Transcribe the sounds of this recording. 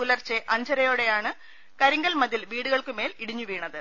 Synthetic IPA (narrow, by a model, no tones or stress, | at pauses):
ulɐrt͡ɕeʔɐɲd͡ʑʱɐɾɐjoːɽe̞jaːɳɨ | kɐɾiŋɡɐlmɐðilʋiːɽuɣɐɭkɨme̞ːliɽiɲːuʋiːɳɐðɨ